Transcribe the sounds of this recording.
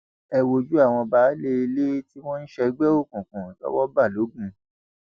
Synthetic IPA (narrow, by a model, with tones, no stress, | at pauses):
ɛ˨wo˨d͡ʒu˦a˦˨w̃ɔ̃˧ba˨˦le˦i˧le˦ti˦w̃ɔ̃˦n̩˦ʃɛ˧ɡ͡bɛ˦o˦˨kũ˨kũ˨lɔ̰˦wɔ˦ba˦˨lo˨˦ɡũ˧